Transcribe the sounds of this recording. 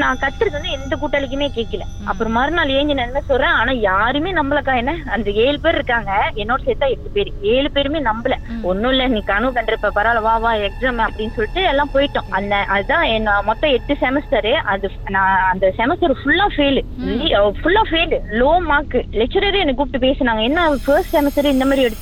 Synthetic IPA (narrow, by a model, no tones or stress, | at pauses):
nãːkɐt̪ːɪɾɐðɯʋɐnd̪ɯɛnd̪ɐkuːʈːɐlɪk̬ʲːɯmeːkeːʈkːɪlɛ̰̃ | ʔɐ̰pːɯɾɔ̃maːɾnaːleːɲd͡ʒɪnɐnmeːsɔlɾɛ̃ːaːnaːjaːɾɯmeːnɐmbɪlɐkːãːɛnːɐɐnd̪ɐeːɭɯpeːɾɾɯkːaːŋɡɐɛnːoːɽɐsɛt̪ːãːɛʈːɯpeːɾɯeːlɯpeːɾɯmeːnɐmbɯlɛɔnːɯʊ̃ɪlːɛnĩːkɐɳɯkɐɳɖɪɾɯpːɛ̃ːpɐɾaːlɐʋaːʋaːɛksaːmɐpːɐɽɪnːsɔlːɪʈːɯɛlːãːpoːjɪʈːʊ̃ʔɐnɐʔɐðɯt̪ãːɛnːmɔt̪ːɔ̃ɛʈːɯsɛmɪsʈɐɾɯʔɐðɯ | nãɐnd̪ɐsɛmɪsʈɐɾfʊlːaːfeːl | fʊlːaːfeːlloːmaːkːɯlɛk̚t͡ʃɐɾeɾɛnːɐɡʊp̚ʈːɯpeːsɯnaːŋɡɐɛnːafɐːɾsʈsɛmɪsʈɐɾɪnd̪ɐmaːd̪ɾɪɛɽɯt̪ː